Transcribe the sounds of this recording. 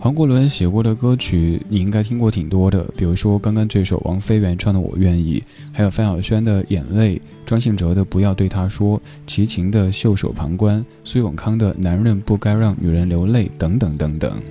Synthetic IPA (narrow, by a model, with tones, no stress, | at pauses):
wɑ˧˥ŋkwɔ˧˥lwə˧˥nɕjɛ˨˩kwɔ˥˩d̪ə˨kɤ˥t͡ɕʰy˨˥ni˨˩i˥ŋka˥ɪt̪ʰi˥ŋkwɔ˥˩t̪ʰi˨˩ŋt̪wɔ˥d̪ə̰˨˩pi˨˩ɻu˧˥ʂwɔ˥kɑ˥ŋkɑ˥ŋt̪we˥˩ɪʂo˨˩ʊwʔɑ̰˧˥ŋfe˥ɪɥɛ˧˥nʈ͡ʂʰwɑ˥˩ŋd̪ə˧wɔ̰˨˩ɥɛ˥˧nḭ˥˩ | xa˧˥ɪjo˨˩ʊfa˥nɑ˨˩ʊɕɥɛ˥nd̪ə˨jɛ̰˨˩nle˥˩ɪ | ʈ͡ʂwɑ˥ŋɕ̬i˥˩ŋʈ͡ʂɤ˧˥d̪ə˧pu˧˥jɑ˥˧ʊt̪we˥˩ɪt̪ʰa˥ʂwɔ˥ | t͡ɕʰi˧˥t͡ɕʰi˧˥ŋd̪ə˧ɕjo˥˩ʊʂo̰˨˩ʊpʰɑ˧˥ŋkwa˥n | swe˥ɪwʊ̰˨˩ŋkʰɑ˥ŋd̪ə˨na˧˥nɻə˥˧npu˥˩ka˥ɪɻɑ˥˩ŋny̰˨˩ɻə˧˥nljo˧˥ʊle˥˩ɪt̪ɤ˧˥ŋt̪ɤ˨˧˥ŋt̪ɤ˧˥ŋt̪ɤ̰˨˩˦ŋ